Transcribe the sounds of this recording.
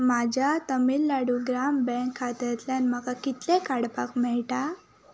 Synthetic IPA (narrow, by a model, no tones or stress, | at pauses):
mad͡ʑʱat̪əmilːaɽuɡɾambɛ̃ŋkʰːat̪ɾt̪lanm̤əkakit̪lekaɽpakmɛɭʈa